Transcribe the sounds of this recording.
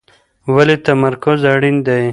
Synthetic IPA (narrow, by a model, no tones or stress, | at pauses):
walet̪amaɾkʊzaɽind̪aj